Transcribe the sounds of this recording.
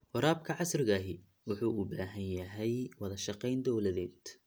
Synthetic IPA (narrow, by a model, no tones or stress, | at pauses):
wʊɾaːb̚kʰɐʕɑsrɪɣaːɦɪ | wʊħuːʊbaːɦɐnjɐɦɛjwɑðɐʃɑqɛjnd̪ɔwlɐðɛːd̪